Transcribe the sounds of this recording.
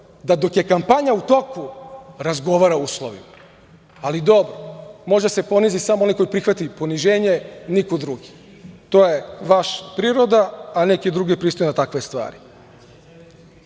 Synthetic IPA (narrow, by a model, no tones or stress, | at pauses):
d̪ad̪o̞kje̞kampaɲaut̪o̞kuɾazɡo̞ʋaɾauːslˠoʋḭmaː | lid̪o̞bɾomo̞ʒd̪ase̞po̞nizisamoo̞nijko̞jipɾixʋat̪ipo̞niʒe̞ːɲe̞nikod̪ɾuɡi | t̪o̞ːje̞ʋaʃḁpɾiːɾo̞d̪aːne̞kid̪ɾuɡipɾiːst̪ojenat̪akʋe̞st̪ʋa̰ːɾi